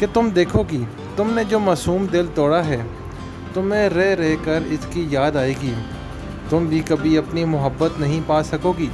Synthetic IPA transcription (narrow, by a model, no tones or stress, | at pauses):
ket̪ʊmd̪eːkʰoːɡiː | t̪ʊmned͡ʒoːmaːsuːmd̪ɪlt̪ɔːɽaɦɛː | t̪ʊmẽɾɛɾɛɦkɐɾɪskijaːd̪aːeːɡiː | t̪ʊmbʱikɐbʱiɐpnimʊɦəbːət̪nɐɦĩpaːsɐkoːɡiː